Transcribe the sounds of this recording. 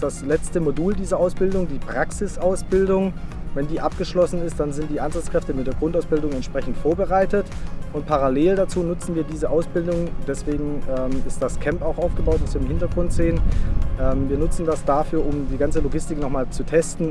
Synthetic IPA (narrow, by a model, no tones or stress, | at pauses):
d̥aslɛt͡stəmoduːldiːzɐʔaʊsb̥ɪldʊŋdiːpʁ̥aksɪsʔaʊsb̥ɪldʊŋvɛndiːʔap̚ɡ̥əʃlɔsn̩ɪst̚d̥anzɪnt̚d̥iːʔaɪnzat͡skʁ̥ɛftəmɪtdeːɐɡʁʊntaʊsb̥ɪldʊŋɛntʃpʁ̥ɛçn̩tfoːɐbəʁaɪtətʔʊntpʰaʁaleːldat͡suːnʊt͡sn̩viːɐdiːzəʔaʊsb̥ɪldʊŋd̥ɛsv̥eːɡŋ̩ɛːmɪstd̥askʰɛmpaʊxʔaʊfɡ̥əbaʊtv̥asv̥iːɐɪmhɪntɐɡʁʊntz̥eːənʔɛːmviːɐnʊt͡sn̩dasd̥afyːɐʔʊmdiːɡant͡səloɡɪstɪknɔχmaːlt͡sutʰɛstn̩